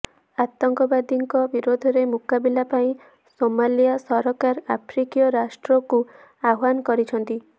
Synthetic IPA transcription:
at̪ɔŋkɔbad̪iŋkɔbiɾod̪ʱɔɾemukabilapaĩ | somalijasɔɾɔkaɾapʰɾikijɔɾasʈɾɔku | aɦankɔɾit͡ʃʰɔnt̪i

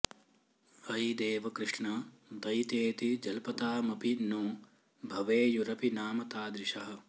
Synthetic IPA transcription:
ɐjd̪eːʋɐkɾɪʂɳɐd̪ɐjt̪eːt̪id͡ʒɐlpɐt̪aːmɐpinu | bʱɐʋeːjuɾɐpinaːmɐt̪aːd̪ɾɪʂɐɦɐ̆

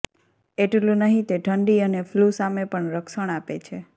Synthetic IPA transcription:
eʈlũnəɦĩt̪eʈʰəɳɖiəneflusamepəɳɾəkʃəɳ̃apet͡ʃʰe

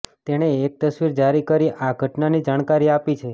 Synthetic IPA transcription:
t̪eɽ̃eːk̚t̪əsʋiɾd͡ʒaɾikəɾiʔaɡʱəʈnanid͡ʒaɽ̃kaɾiapit͡ʃʰe

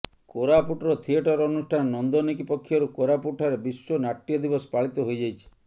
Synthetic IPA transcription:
koɾapuʈɾɔt̪ʰieʈɔɾɔnusʈʰannɔnd̪onikipɔkʰːjɔɾukoɾapuʈʰɔɾebisːonaʈːijɔd̪ibɔspaɭit̪ɔɦojd͡ʒajt͡ʃʰi̥

